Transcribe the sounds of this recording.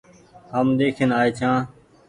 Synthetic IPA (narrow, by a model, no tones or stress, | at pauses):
ɦəmd̪eːkʰenaːeːt͡ʃ̪ʰãː